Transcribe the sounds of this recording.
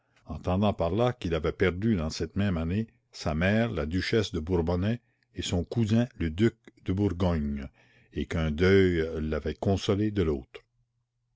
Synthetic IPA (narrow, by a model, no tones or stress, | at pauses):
ɑ̃t̪ɑ̃d̪ɑ̃paʁlakilavɛpɛʁd̪yd̪ɑ̃sɛt̪mɛ̃mane | samɛːʁlad̪yʃɛsd̪əbuʁbɔnɛ | esɔ̃kuzɛ̃ləd̪yk̚d̪̥əbuʁɡɔɲ | ekə̃d̪œjlavɛkɔ̃sɔled̪əloːt̪ʁ